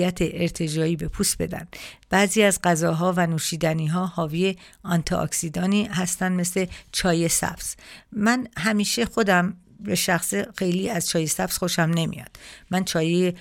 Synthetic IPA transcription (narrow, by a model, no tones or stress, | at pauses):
jæt̪ʰeʔːɾt̪ʰe̞d͡ʒɒːiːbe̞pʰuːst̪b̥e̞̰d̪æ̰nd̪̥b̥æziːæzɢæzɒːɦɒːvænuːʃiːd̪æniːɦɒːhɒːviːjeɒnt̪ʰɒʔɒ̰ksid̪ɒːniːhæst̪ænd̪me̞sle̞t͡ʃʰɒːje̞sæ̰b̥z̥mænɦæmiːʃe̞xo̞d̪æm | beʃæxsexe̞jliːæzt͡ʃʰɒːje̞sæbz̥xo̞ʃæmne̞mḭjɒ̰dd̥̪mænt͡ʃʰɒːjee